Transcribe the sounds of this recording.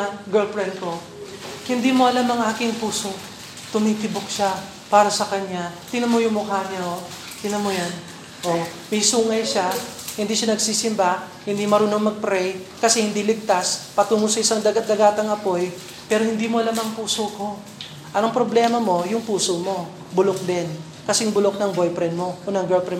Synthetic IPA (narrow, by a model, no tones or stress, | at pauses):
ɡɛlfɹɛnko̞ | hɪnd̪iːmoɐlamɐŋʔaːkɪŋpuːsoŋ | t̪ʊmiːt̪ɪbok̚ʃa | paːɾɐsɐkɐɲːat̪ɪnɐmojʊŋmʊkaːɲɐo | t̪ɪnɐmojan | ʔomɐjsuːŋɐjʃahɪnd̪iːʃanɐɡsiːsɪmba | hɪnd̪imɐɾuːnoŋmɐɡ̚pɾɛjkɐsɛhɪnd̪ilɪɡ̚t̪aspɐt̪uːŋosɐɪsaŋd̪ɐɡɐd̪ɐɡaːt̪ɐŋɐpo̞j | pɛːɾohɪnd̪iːmoɐlamɐŋpuːsoko̞ | ʔɐnoŋpɾo̞blɛːmɐmo̞jʊŋpuːsomo̞ | bʊlok̚d̪ɛn | kɐsɛŋbʊlok̚nɐŋbojpɾɛnmo̞ʔonɐŋɡɛlpɾɛ